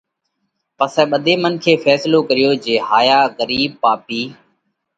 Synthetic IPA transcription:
pəsɛ̃ːɓəd̪ʱeːmənkʰeːfɛːsloːkəɾɪjoːd͡ʒeːɦaːjaːɣəɾiːb̚paːpiː

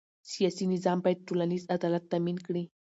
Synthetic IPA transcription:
sijɑsinɪzɑmbɑjd̪̚ʈolanizad̪ɑlat̪ːaminkɽi

